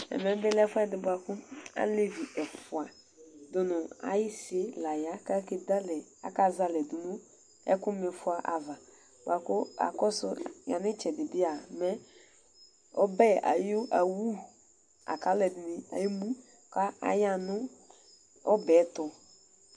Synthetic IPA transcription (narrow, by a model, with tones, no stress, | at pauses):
ɛ̰˨mɛ̃˨˦bɪ˦lɛ˦fdɪ˨bʊ˨a˨kʊ˦a̰˦le˦vi˨ʔɛ˨fʊ˨a˨ | dʊ˨nʊ̃˨a̰˨jɪ˦sɪ˦la˨ja˦ka˦ke˨d̪a˦lɛ˨a̰˨ka˦za˦lɛ˨dʊ˨nʊ̃˦ | ɛ̰˦kʊ˦mɪ˨fʊ˦a˨ʔa˨va˨ | bʊ̰˨a˨kʊ˦a̰˨kɔ˦sʊ˦ja̰˨nɪ˦t͡ʃɛ˨dɪ˨bɪ˦a˨mɛ˦ | ɔ̰˦bɛ˦a̰˨jo˦ʔa˨wu˦ | a̰˨ka˨˦lɛ˨dɪ˨nɪ˨a̰˨ji˦mũ˦ | ka˦a̰˨ja˦nʊ̃˦ | ɔ˦bɛ˨˦t̪ʊ˨